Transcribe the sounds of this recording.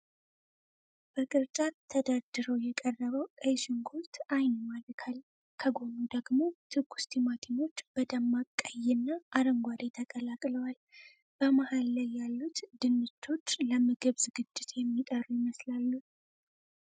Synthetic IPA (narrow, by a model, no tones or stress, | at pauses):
b̥əkʼɨɾt͡ʃʼat̪ʰːəd̪ad̪ɨɾowjɛkʼərːəβəwkʼəjʃɪŋɡolt̪ʰajnomalɾkʰal | kʰəɡo̞nud̪əɡmo̞t̪ʰɨɡu̥st̪ʰimat̪ʰino̞t͡ʃːb̥əd̪əmːakʼːajːɛnːaʔaɾəŋɡʷad̪et̪ʰəkʼəlakʼləwal | b̥əmahalːajːalːut̪d̪ɨnːɨt͡ʃʰːo̞t͡ʃːləmɨɡɨβzɨɡɨd͡ʒːɪt̪jɛmːit̪ʼərujɪməslalːu